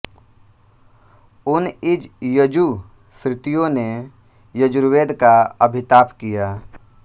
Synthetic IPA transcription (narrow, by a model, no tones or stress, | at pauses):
ʊnɪd͡ʒjəd͡ʒu | sɾɪt̪ijõne | jəd͡ʒʊɾweːd̪kaəbʱɪt̪aːpkijaː